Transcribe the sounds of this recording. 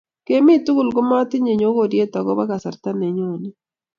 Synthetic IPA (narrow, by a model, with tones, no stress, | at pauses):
ke˨mi˦t̪u˦ɡu˨lɡo˦ma˦t̪ɪ˦ɲe˨ɲo˨˦ɡo˦˨ɾje˦t̪a˨ɡɔ̰˦ba˦ka˨sa˨ɾt̪a˦ne˨ɲo˦˨ni˦